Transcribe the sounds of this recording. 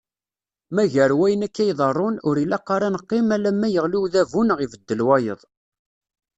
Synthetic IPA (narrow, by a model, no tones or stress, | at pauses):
mæʝəɾwæjənækːæjðˤərˤːʊnʊɾilæqːɑɾˤɑnəqːimælæmːæjəʁluwðævunʁivəd̪ːəlwɑjə̰ðˤ